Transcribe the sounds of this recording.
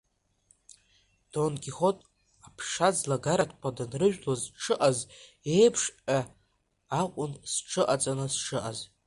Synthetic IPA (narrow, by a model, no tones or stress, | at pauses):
d̥onkʲiχotʼ | apʰʂad͡zlaɡaɾatʰqʷʰadanrɨʒᶣlozʈ͡ʂʰɨʔaz | ejpʰʂʲʼaː | qʷʼʊnsʈ͡ʂʰɨʔat͡sʼanɨsʈ͡ʂʰɨʔaz